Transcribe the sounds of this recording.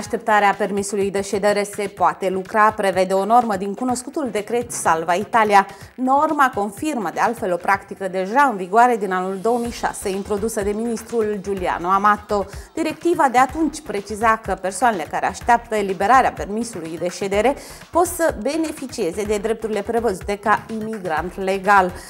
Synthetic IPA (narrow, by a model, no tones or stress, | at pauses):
aʃt̪e̞p̚t̪aɾeape̞rmisulujd̪e̞ʃe̞d̪e̞ɾe̞se̞poat̪e̞lukɾapɾe̞ve̞d̪e̞o̞no̞rməd̪iŋkuno̞skut̪uld̪e̞kɾe̞t̪salvait̪alija | no̞rmako̞nfirməd̪ealt̪fe̞lo̞pɾʔakt̪ikəd̪e̞ʒaɨnviɡoaɾe̞d̪inanuld̪o̞womijʃa̰se̞int̪ɾo̞d̪usəd̪e̞minist̪ɾuld͡ʒulia̰noamat̪o̞d̪̥iɾe̞k̚t̪ivad̪e̞at̪unt͡ʃʲpɾe̞t͡ʃizakəpe̞rsoanele̞kaɾeaʃt̪eap̚t̪əelibe̞ɾaɾeape̞rmisulujd̪e̞ʃe̞d̪e̞ɾe̞ | po̞t̪səbe̞ne̞fit͡ʃie̞ze̞d̪e̞d̪ɾe̞p̚t̪uɾile̞pɾe̞vəzut̪e̞kaimiɡɾant̪le̞ɡal